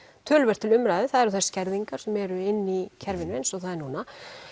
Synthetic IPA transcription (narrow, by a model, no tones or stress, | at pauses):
t̪ʰœːlvɛr̥t̪ʰɪlʏmɾajðɪθaðɛɾʏθɛ̥scɛɾðiŋkaɾ̥sɛmɛɾʏɪnːicʰɛɾvɪnvɛjnsɔɣθaðɛɾnuːna